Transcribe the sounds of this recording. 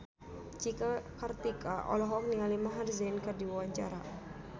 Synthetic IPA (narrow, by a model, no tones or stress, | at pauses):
d͡ʒikakart̪ikaʔɔ̰lɔɦɔk̚nialimaɦarzɛnkadiwawaɲt͡ʃa̰ɾa